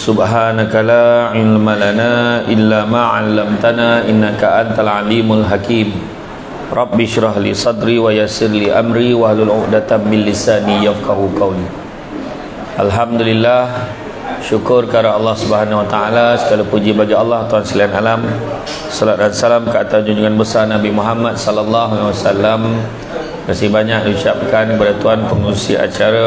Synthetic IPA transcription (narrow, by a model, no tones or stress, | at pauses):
subɦanakalaʕɪlmalanaʔɪlːamãʕalːamt̪anaʔinːakaʔant̪alʕalimalɦakiːm | rˤʔɑbːɪʃɾɑɦlisˤɑd̪ɾiwajasɪrliʔa̰mɾiwahlulʕʊʔdat̪amːɪnlisaːnijafkaɦuqawni | ʔalɦamd̪ulilːah | ʃukʊrkaɾaɑlːɑhsubəɦanawat̪aalasə̥ɡalapud͡ʒibaɡiɑlːɑht̪uansəliɦanalam | sɔlat̪̚dansalamkəat̪asd͡ʒuɲd͡ʒuŋanbəsarnabimuɦamat̪̚sɔlalːɑɦanawasalːam | məsibaɲãk̚diʃap̚kanbadat̪uanpəŋusḭʔa̰t͡ʃaɾa